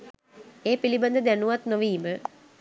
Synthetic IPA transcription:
eːpiliband̪əd̪ænuʋat̪noʋiːmə

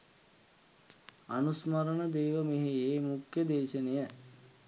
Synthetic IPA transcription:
anusmɐɾənəd̪eːʋəmeɦijeːmukjəd̪eːʃənejə

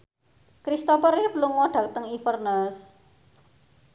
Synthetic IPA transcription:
kɾist̪ɔpəɾipluŋɔɖ̥ä̤k̚t̪əŋifərnəs

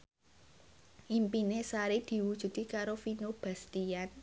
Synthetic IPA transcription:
ʔimpinesaɾid̪̥i̤wud̥ʒ̥ṳt̪ikaɾofinob̥a̤st̪ian

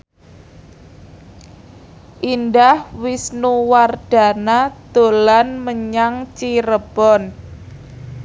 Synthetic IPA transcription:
ʔindahwisnuward̥a̤nad̪̥o̤lanməɲaŋt͡ʃiɾəb̥ɔn

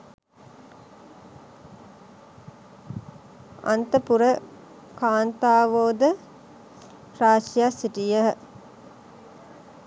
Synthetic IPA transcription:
a̰nt̪əpuɾə | kaːnt̪aːʋoːd̪ə | pɾaːʃjasiʈijəɦə

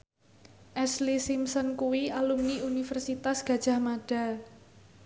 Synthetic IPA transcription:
ʔɛslisimsənkuwialumniunifərsit̪asɡ̥a̤d̥ʒ̥a̤hmaɖ̥a̤

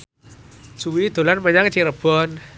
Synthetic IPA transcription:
suwid̪̥o̤lanməɲaŋt͡ʃiɾəb̥ɔn

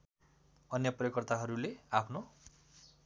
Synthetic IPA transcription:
ʌnjʌprjʌkʌrt̪aɦʌɾuleapʰno

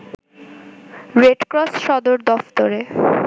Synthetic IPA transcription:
ɾeɖkɾɔsʃɔd̪oɾd̪ɔft̪oɾe

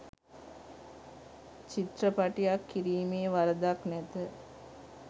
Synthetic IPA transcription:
t͡ʃit̪rəpaʈijakʰːiɾiːmeːʋaɾəd̪aknæt̪ə

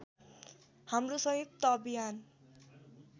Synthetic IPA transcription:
hamrosʌɦip̚t̪ʌbijan

